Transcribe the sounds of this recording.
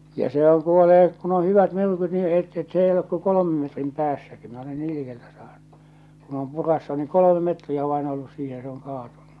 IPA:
jɑ sehæŋ kuoleː kun o hyʋæt myrkyt ni seitː s ei olek ko kolomem metrim pæːsːæki minæ ole niː likeltæ sɑːn̥ːu̥ kun om purɑsːu ni kolome metriæ ʋɑin olːus siːhe se oŋ kɑːtunːu

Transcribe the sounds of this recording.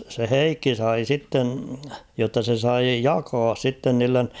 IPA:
se heikːi sɑi sitːen̞ jotːɑ se sɑi jɑːkɑs sitːen niːlːen

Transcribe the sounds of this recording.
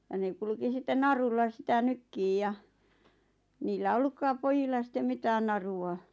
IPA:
jɑ ne kulŭki sitˑen nɑrulːɑ sĭtæ nykːiːj jɑ niːlːæ olːukːɑːp pojilːɑ sĭtˑem mitæːn nɑruɑ

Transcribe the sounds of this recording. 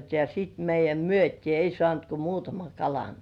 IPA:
jɑ sit meijˑæm myøtʲiː ei sŏɑˑnt ko muːtɑmɑŋ kɑlɑn

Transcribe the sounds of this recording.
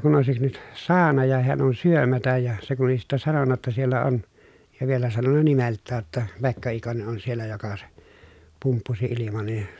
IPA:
kun oˑesik nyt sɑːnɑ jɑ heæn on syømætæj jɑ se kun oli sitːæ sɑnonːɑ tːɑ sielːæ on jɑ ʋielæ sɑnonːɑ nimeltːæː tːæ pekːɑ ikone ʔon sielːæ jokɑ se pumpːusi ilimɑn̞ nin̞

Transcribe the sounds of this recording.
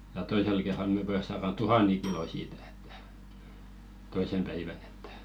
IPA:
jɑ toisel kerːɑl me pojɑs sɑːrɑn tuhɑnˑeŋ kiloˑ siːtæ̥ e̥tːæ̥ toisem pæiʋæn e̥tːæ̥

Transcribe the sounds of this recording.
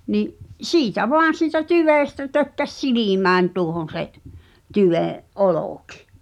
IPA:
niʔ siːtæ ʋoɑn̞ siːtæ tyʋeˑstæ tøkːæs silimæːnʲ tuohon̞ seʔ tyʋẽːʔ ʔoloˑki̥

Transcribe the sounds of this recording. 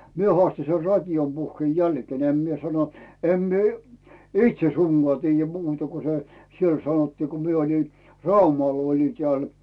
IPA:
mie hoɑˑsti ser rɑtʲijom puhːĭeˑ jælkĭeˑn em mie sɑno em mie itʃe suŋɡ̊oɑˑ tiːjːæ muːtɑ ku se siel sɑnotːiː ko mie olin rɑumɑl oli teæˑl

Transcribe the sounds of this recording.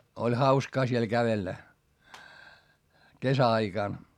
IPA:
olʲ hɑuskɑː siel kæʋelːæ kesæɑikɑˑn

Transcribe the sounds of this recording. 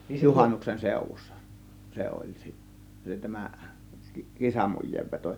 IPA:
juhɑnːuksen seˑŭʋˑusːɑ se olʲ si tæmæ kisɑmujˑeːʋːeto

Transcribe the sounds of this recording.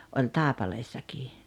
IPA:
olʲ tɑˑepɑleːsːɑkiː

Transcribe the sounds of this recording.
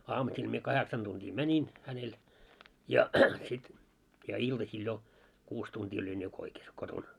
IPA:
ɑːmusil mie kɑheksɑn tuntiː mænʲin hænel jɑ sit jɑ iltɑsil jo kuːs tuntiː olʲin jo koikes koton

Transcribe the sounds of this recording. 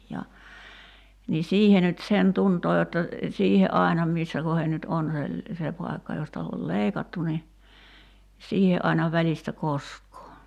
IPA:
jɑ ni siːhe nyt sen tuntoː jotːɑ siːhe ʔɑˑi̞nɑ misːæ kohen nyt on se se pɑi̞kːɑ jostɑ ol leikɑtːu ni siːhe ʔɑinɑ ʋælʲistæ koskˑoː

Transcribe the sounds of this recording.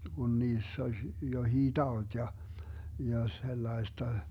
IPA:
ɡ̊un niːsː oz johiː tɑot jɑ jɑ selːɑi̯stɑ

